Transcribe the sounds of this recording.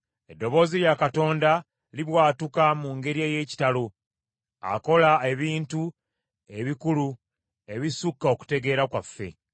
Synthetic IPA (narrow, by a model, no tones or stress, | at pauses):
edːo̞βo̞ːzijakato̞ːnda | liβwaːtukamuŋɡe̞ɾieːje̞ːci̥talo̞ | a̰ko̞lae̞βiːntu | e̞βikulu | e̞βisukːao̞ku̥te̞ɡe̞ːɾakwafːe̞̰